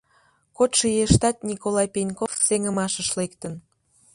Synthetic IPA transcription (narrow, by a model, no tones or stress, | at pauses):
kot̪ʃijeʃt̪ɑt̪̚nʲikolɑjpenʲkofseŋəmɑʃəʃlekt̪ən